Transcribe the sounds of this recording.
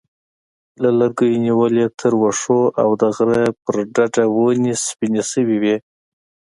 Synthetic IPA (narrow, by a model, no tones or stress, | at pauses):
lalaɾɡəjniwəlet̪ʰəɾwaʂoʔawd̪əɣɾapəɾɖaɖawonispinesəwiwi